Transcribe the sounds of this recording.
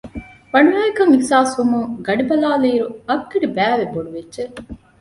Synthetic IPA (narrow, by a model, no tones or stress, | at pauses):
ʋɐɳuʋæːekɐŋixsaːsʋumuŋɡɐɖibɐlaːliːɾuɐɡːɐɖibæːʋeboɖuʋedːʒe